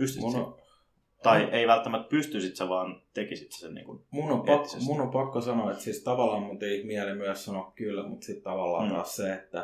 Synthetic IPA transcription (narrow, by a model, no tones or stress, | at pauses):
pyst̪ymun̰ | t̪ɑieiʋælt̪ːæmæt̪pyst̪ysit̪seʋɑːnt̪ekisit̪se̥sennḭːŋkunmunːompɑkːsmunːompɑkːosɑnoet̪siːst̪ɑʋɑlˑɑːmmunt̪eihmiælemyæssɑnokkylmut̪sit̪t̪ɑʋɑlːɑ̰ːɑ̰ːsseet̪ːæ